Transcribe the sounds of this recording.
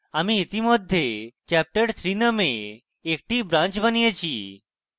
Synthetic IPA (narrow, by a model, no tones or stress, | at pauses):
amiːt̪imod̪ʱːet͡ʃɛp̚ʈəʈt̪ʰɾinəmeː | k̚ʈibɾãnt͡ʃbənijet͡ʃʰi